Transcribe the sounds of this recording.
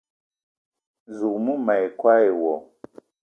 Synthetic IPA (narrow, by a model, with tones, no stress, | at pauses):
zu˨mu˦ma˨jkwa˦e˨wɔ˨